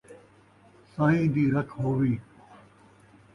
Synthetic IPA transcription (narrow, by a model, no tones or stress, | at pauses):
sãːɦĩːd̪iːɾɐkʰɦoːʋiː